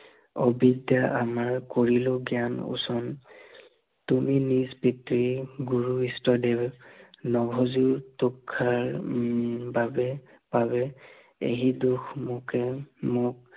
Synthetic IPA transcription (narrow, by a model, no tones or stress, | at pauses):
ɔbidjaʔamaɹkoɹilʊɡianṵsɔn | tuminizpitɹiɡuɹuistɔdɛbnɔbʱɔzuɹtukʰːaɹ | babɛ | pabɛ | ḛɦiduxʰmukɛmʊk̚